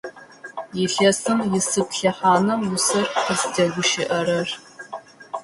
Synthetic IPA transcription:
jɪɬɐsɨmjɪsɨpɬɐħaːnɐwʊsɨrqəzdɐɡʷʊʃɪʔɐrɐr

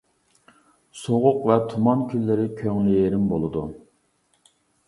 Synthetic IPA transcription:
soʁʊqvɛt̪ʰumɑnkʲʰylːɪɾɪkʲʰøŋlyjeɾɪmbolˠɨd̪u

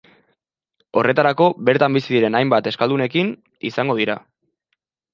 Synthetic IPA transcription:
o̞re̞t̪aɾako̞βe̞ɾt̪ambisiðiɾe̞najmbat̪e̞skald̪une̞kin | isaŋɡo̞ð̞iɾa

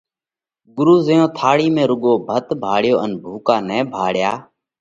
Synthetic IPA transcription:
ɠʊɾuːzəjõːt̪ʰaːɽiːmẽːɾʊɠoːbʱət̪bʱaːɽjoːənbʱuːkaːnɛ̃ːbʱaːɽjaː

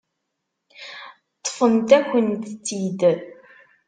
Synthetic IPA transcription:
t̪ˤːfənt̪æçənt̪t͡sːid̪

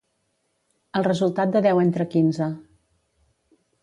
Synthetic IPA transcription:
əlˠrəzulˠt̪at̪̚d̪əðɛwent̪ɾəkinzə

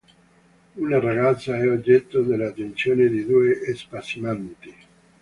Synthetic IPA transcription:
unaraɡat̪sːaɛod͡ʒːɛt̪ːod̪elːat̪ːensjoːned̪id̪uːeʔːspasimant̪i

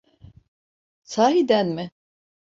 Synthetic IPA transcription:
saːɦid̪ænmɪ

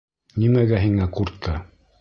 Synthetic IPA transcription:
nimæɡæɦiŋækuɾt̪ʰːɤ

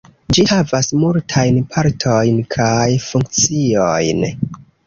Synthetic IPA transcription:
d͡ʒihavasmultʰajnpʰaɾtʰojnkʰajfuŋkt͡siojn

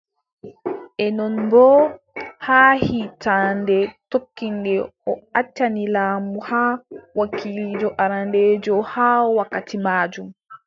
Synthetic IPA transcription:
ʔɛnɔnbɔː | haːhitaːndɛtokːindɛɔat͡ʃːanilaːmuhaːwakilid͡ʒɔʔaɾandɛːd͡ʒɔhaːɔwakːatimaːd͡ʒum

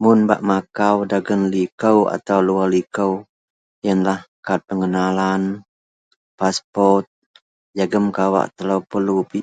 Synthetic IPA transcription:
mʊnbaʔmakawdaɡənlikəwa̰t̪awlualikəw | jənlahkat̪̚pəŋənalan | paspɔrt̪̚ | jaɡəmkawa̰ʔt̪əlawpəlupi

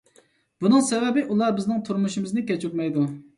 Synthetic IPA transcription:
b̥unɨŋsɛvɛbɪʔulˠɑɾbɪznɪŋt̪ʰuɾmuʃɪmɪznɪkʲɛt͡ʃyt̪mɛjd̪u

